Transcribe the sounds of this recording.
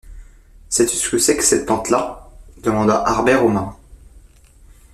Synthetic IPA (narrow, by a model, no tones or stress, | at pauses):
sɛt̪əsə̥kəsɛkə̥sɛt̪̚pɑ̃t̪lad̪əmɑ̃d̪aʔaʁbɛʁomã